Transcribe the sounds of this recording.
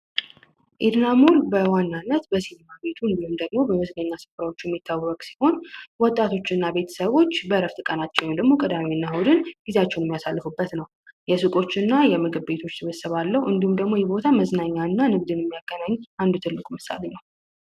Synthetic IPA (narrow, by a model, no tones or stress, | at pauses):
ʔed̪namo̞lbəwanːanːət̪bəsinimabe̞t̪ʰuɨnd̪ihumd̪əɡmo̞bəməzləɲːasɨfɾawo̞t͡ʃːujɛmːit̪ʰːawːəkʼsi̥ho̞nwɔt̪ʼːat̪ʰo̞t͡ʃːɨnːabe̞t̪ʰə̥səβo̞t͡ʃːbəɾəft̪ʰɨkʼənat͡ʃːɛwjmnd̪əɡmo̞kʼɨd̪amiɨnːawud̪ɨnɡizat͡ʃːɛwnjɛmijasalːɨfubːət̪nəw | jɛsɨkʼo̞t͡ʃːɨnːajɛmɨɡɨβbe̞t̪ʰo̞t͡ʃːsɨβəsəβalːəhuʔɨnd̪ihumd̪əɡmo̞jɛbo̞t̪ʰaməznaɲːaɨnːanɨɡ̚d̪ɨnjɛmːijaɡːənaɲːʔand̪ut̪ʰɨlːɨkʼumɨsa̰lenəw